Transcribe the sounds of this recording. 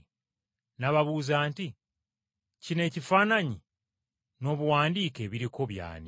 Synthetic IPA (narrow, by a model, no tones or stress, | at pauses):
naβaβuːzaːnti | cine̞ːcifaːnaɲi | no̞ːβuwaːndiːke̞βiɾiko̞βja̰ːni